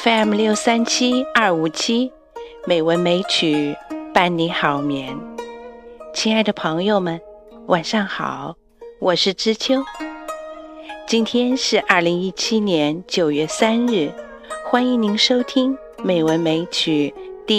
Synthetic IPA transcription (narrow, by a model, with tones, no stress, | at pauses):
fe˥ɛ˥˩mljo˥˩ʊsa˥nt͡ɕʰi˥ɐ˞˥˩u˨˩t͡ɕʰi˥ | me˨˩ɪwə˧˥nme˧˥ɪt͡ɕʰy˨˩pa˥˩nni˧˥nxɑ˨˩ʊmjɛ˧˥n | t͡ɕʰi˧˥na˥˩ɪd̪ə˩pʰɤ˧˥ŋjo˥˧ʊmə˨n | wʔa˨˩nʂɑ˥˩ŋxɑ̰˨˩˦ʊ | wʔɔ˨˩ʂɻ̩˥˩ʈ͡ʂɻ̩˥t͡ɕʰjo˥ʊ | t͡ɕi˥nt̪ʰjɛ˥nʂɻ̩˥˧ʔɐ˞˥˩li˧˥ŋi˥t͡ɕʰi˥njɛ˧˥nt͡ɕjo˨˩ʊɥɛ˥˩sa˥nɻɻ̩˥˩ | xwa˥ni˧˥ŋni˧˥ŋʂo˥ʊt̪ʰi˥ŋ | me˨˩ɪwə˧˥nme˧˥ɪt͡ɕʰy˨˩t̪i˥˩